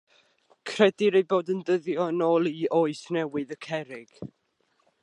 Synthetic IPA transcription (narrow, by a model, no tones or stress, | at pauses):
kʰr̥ɛdɪɾejboːdəndəðjɔənoːlˠiʔoɨsnɛwɨðəkʰɛɾɪɡ̥